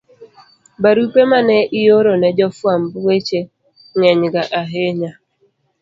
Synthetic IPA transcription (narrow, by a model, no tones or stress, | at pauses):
baɾupemanɛʔɪjoɾonɛd͡ʒɔfwambwet͡ʃe | ŋɛɲɡaʔaɦeɲa